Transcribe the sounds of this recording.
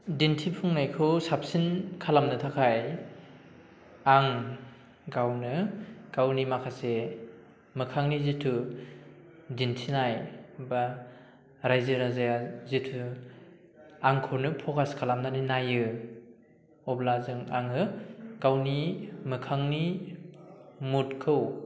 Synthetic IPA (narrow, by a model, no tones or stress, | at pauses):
dintʰipʰuŋnajkʰɯwsap̚sinkʰalamnɯtʰakʰaj | aŋ | ɡawnɯɡ̥awnimakʰase | mɯkʰaŋnizitʰu | dintʰinajba | ɾajzɯɾazajazitʰu | aŋkʰɯɾnɯpʰɔkaskʰalamnaninajɯ | ɔblazɯŋaŋɯɡ̥awnimɯkʰaŋni | mutkʰɯw